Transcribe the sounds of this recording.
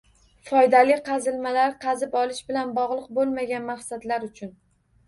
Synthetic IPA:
fɒjd̪alɪqʰɑzɪlmalaɾqʰɑzɪpɒlˠɪʃbɪlanbɒʁlˠɨq̚bolˠmaɡʲanmaχsad̪laɾʊt͡ʃʰʊn

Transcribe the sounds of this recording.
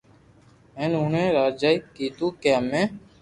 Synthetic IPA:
ẽːnuːɳẽːɾaːd͡ʒaːikːiːt̪uːkeamẽː

